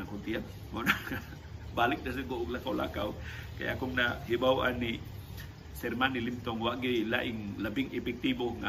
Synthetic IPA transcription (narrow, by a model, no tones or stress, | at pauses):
akont̪ia | mona | balik̚das̬əɡoʔklakawla̰ka̰w | ka̰jakumnaɦibawʔa̰nːi | sɛrmanilimt̪ɔŋwaʔɡəjla̰ʔiŋləbiŋepɛk̚t̪iboŋa̰